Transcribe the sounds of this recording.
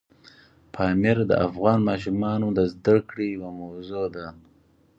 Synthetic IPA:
pʰɑːmɪɾd̪ə̰ʔafɣɑːnmɑːʃ̬umɑːnod̪əzd̪akɽewamawzod̪a

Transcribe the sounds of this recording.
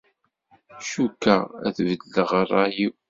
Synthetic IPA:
ʃukːææ̰θvəlːəʁrˤːɑjiw

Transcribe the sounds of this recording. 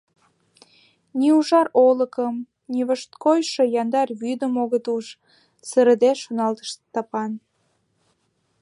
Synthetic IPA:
niuʒɑroləkəm | niβəʃt̪kojʃejɑnd̪ɑrβyd̪əmoɣət̪uʃ | səɾəd̪eʃonɑlt̪ə̥ʃt̪ɑpɑn

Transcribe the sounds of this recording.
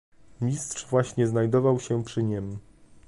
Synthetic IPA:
mɲʲist̪ʂvwaɕɲɛznajd̪ɔvawɕɛpʂɘɲɛmʲ

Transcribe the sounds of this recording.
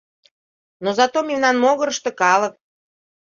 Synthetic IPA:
nozɑt̪omʲimnɑnmoɣəɾəʃt̪ɤ̆kɑlək̚

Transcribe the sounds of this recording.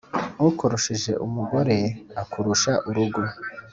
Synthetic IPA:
ukoɾuʃiʒe̞̰ʔumuɡo̞ɾe̞akuɾuʃaʔuɾuɡo̞

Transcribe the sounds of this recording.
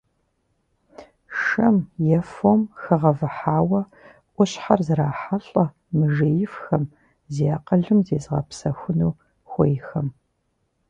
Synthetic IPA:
ʂɐmjɛfomxɨʁɐvɨħaːwɐ | ʔʷʊɕħarzɨraːħaɬʼɐ | mɨʒejɪfxɐm | zeaːqɐɮɨmzeːzʁɐ̰psɐxʷʊnuː | xʷɔjxɐm

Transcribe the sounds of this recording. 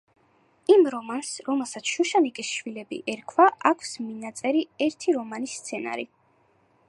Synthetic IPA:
imɾɔmansɾɔmɛlˠsat̪sʰʃuʃanikʼisʃwilɛbḭʔɛɾkʰwaʔakʷʰsminat̪sʼɛɾiɛɾt̪ʰiɾɔmanist̪sʰɛna̰ɾi

